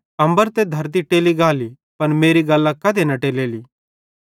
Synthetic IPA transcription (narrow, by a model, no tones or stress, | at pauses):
ɐ̃mbəɾt̪ed̪ʱɐɾt̪̬iʈeːliɡaːli | pɐnmeːɾiɡɐlːãkɐd̪enɐʈeːleːliː